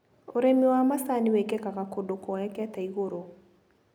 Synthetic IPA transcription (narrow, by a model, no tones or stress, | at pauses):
oɾɛmiwamasaniwɛkɛkakakodokɔjakɛataiɣoɾo